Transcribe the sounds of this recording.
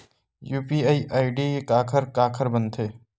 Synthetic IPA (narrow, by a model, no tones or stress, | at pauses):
juːpiːaːiʔaːiɖiekaːkʰəɾkaːkʰəɾbənt̪ʰeː